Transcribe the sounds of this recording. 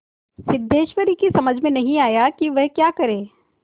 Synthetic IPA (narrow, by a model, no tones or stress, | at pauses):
sɪd̪ʱːeːʃʋəɾikisɐməd͡ʒʱmẽnɐɦĩaːjakiʋɛɦkjaːkɐɾẽː